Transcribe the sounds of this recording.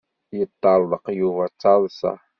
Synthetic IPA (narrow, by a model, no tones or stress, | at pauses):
it̪ald̪ɑqjuwat͡salsa̰